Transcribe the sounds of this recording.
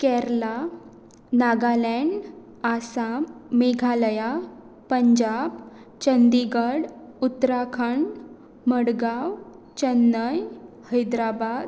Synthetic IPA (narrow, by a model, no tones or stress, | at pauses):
kɛɾla | naɡalɛɳɖ | asameɡʱaləja | pəɲd͡ʑab | t͡ɕənd̪iɡəɽut̪ːɾakʰəɳ | məɽɡaw | t͡ɕənːəj | həjd̪ɾabad̪